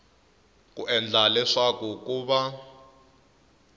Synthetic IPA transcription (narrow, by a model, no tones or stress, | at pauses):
k̬ʼuʔɛnd͡ɮʱalɛʂakukuːβa